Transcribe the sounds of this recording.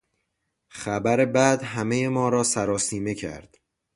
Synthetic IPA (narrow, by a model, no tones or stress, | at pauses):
χæbæɾe̞bæd̪ɦæmejemɒːɾɒːsæɾɒːsiːme̞cʰæ̰ɾd̪̥